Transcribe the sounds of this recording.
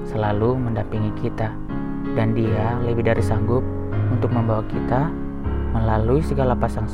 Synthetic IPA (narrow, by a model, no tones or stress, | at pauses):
səlaluməndampiŋikʰit̪a | dandialəbɪhdaɾisaŋɡʊp̚ | unt̪ʊk̚məmbawakit̪a | məlaluisəɡalapasaŋs